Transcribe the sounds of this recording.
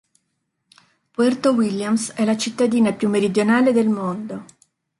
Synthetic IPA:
pɛrt̪owiljamsɛlat͡ʃit̪ːad̪iːnapjumːeɾid̪jonaːled̪elmond̪o

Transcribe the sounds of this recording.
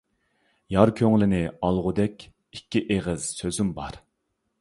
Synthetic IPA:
jɑɾkʲʰøŋlɪnɪɑlˠʁʊd̪ɛkʲ | ikʲːiʔeʁəz̥søzymbɑɾ

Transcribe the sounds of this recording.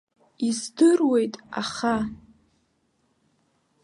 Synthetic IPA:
izdɨrwe̞jtʼa̰χa

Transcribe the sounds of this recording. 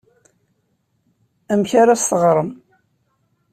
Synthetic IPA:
æmçaɾast̪əʁɾˤəm

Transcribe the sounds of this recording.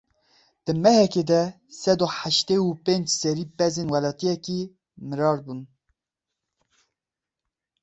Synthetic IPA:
d̪̥ɨmɛhɛked̪ɛ | sɛd̪oħaʃt̪eːupend͡ʒsɛɾiːpɛzenwɛlɑːt̪ijɛki | mɨɾɑːɾbun

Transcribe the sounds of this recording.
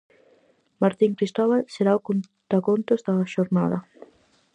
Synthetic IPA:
maɾt̪iŋkɾist̪ɔβalseɾaokon | t̪ɾakont̪ozðaʃoɾna̰ðɐ

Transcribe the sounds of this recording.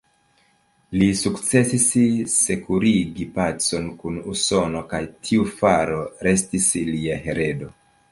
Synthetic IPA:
lisukt͡se̞sisse̞kuɾiɡipat͡so̞nkunuso̞no̞kajtʰiufaɾo̞ɾe̞stisliaɦe̞ɾe̞do̞

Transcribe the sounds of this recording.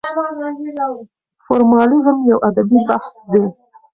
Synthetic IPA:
foɾmɑlɪzmjawʔad̪abibahsd̪e

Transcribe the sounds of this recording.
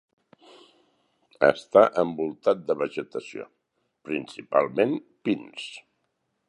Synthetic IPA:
ə̰st̪aʔəmbulˠt̪at̪̚d̪əβəʒət̪əsio̰ | pɾinsipa̰lˠmenpins

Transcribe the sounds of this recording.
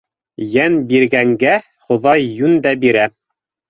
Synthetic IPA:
jænbiɾɡæŋɡæ | χŏðɑjːʉnd̪æbiɾæ

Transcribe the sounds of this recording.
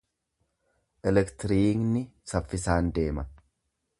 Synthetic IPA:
ʔɛlɛkt̪ɪɾiːknɪsɐfːɪsaːnd̪e̞ːmɐ

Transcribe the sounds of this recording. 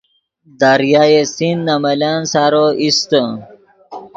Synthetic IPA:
d̪aɾjajesinːamɐlansaɾoʔist̪ə

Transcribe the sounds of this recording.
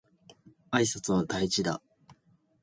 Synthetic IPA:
aisat͡sɨβat̪ait͡ɕid̪a

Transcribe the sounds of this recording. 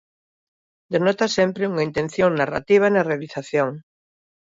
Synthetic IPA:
d̪enɔt̪asempɾeuŋaint̪ẽn̟θjoŋnara̰t̪iβ̞anɐrealiθaθjoŋ

